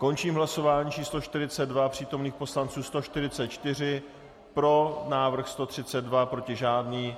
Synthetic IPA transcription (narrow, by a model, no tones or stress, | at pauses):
ko̞nt͡ʃiːmɦlaso̞vaːɲiːt͡ʃiːsloʃt̪ɪɾɪt͡sɛd̪̚vapr̥iːt̪o̞mniːxpo̞slant͡suːst̪o̞ʃt̪ɪɾɪt͡sɛt̪̚t͡ʃt̪ɪr̝ɪ | pɾo̞naːvr̩xst̪o̞t̪r̝̥ɪt͡sɛd̪̚vapɾo̞cɪʒaːdniː